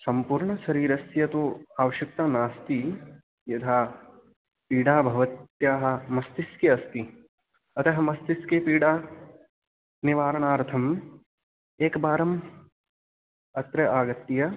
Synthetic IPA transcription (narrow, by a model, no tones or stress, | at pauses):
sɐmpuːɾɳɐʃɐɾiːɾɐsjɐt̪uaːʋɐʃɐk̚t̪anaːst̪i | jɐt̪ʰaː | piːɽaːbʱɐʋɐt̪jaːɦɐ̆mɐst̪iskeɐst̪i | ɐt̪ɐɦɐmɐst̪iskeːpiːɽaː | niʋaːɾɐɳaːɾt̪ʰɐm | eːkbaːɾɐm | ɐt̪ɾɐʔaːɡɐt̪ːijɐ